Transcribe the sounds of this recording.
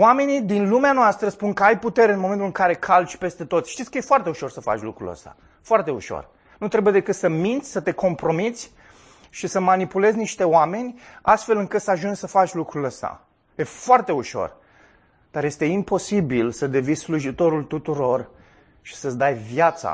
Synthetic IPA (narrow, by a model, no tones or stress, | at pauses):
wame̞nid̪inlumeanoast̪ɾəspunkəajput̪e̞ɾeɨnmoment̪ulɨŋkaɾe̞kʰalt͡ʃʲpe̞st̪e̞t̪ot̪sʲʃt̪it̪sʲkəje̞foart̪e̞uʃo̞rsəfa̰t͡ʃʲlukɾṵlə̰st̪a̰ | foart̪e̞uʃo̞̰r | nut̪ɾe̞buje̞d̪e̞kɨt̪səmint̪sʲsət̪e̞ko̞mpɾo̞mit̪sʲ | ʃisəmanipule̞zʲniʃt̪e̞oame̞nʲast̪fe̞lɨŋkɨt̪səaʒunssəfat͡ʃʲlukɾuləst̪a̰ | jefoart̪e̞uʃo̞̰r | d̪̥aɾje̞st̪e̞impo̞sibilsəd̪e̞visluʒit̪o̞ɾult̪ut̪uɾo̞r | ʃi̥səd̪ajvjat̪sa̰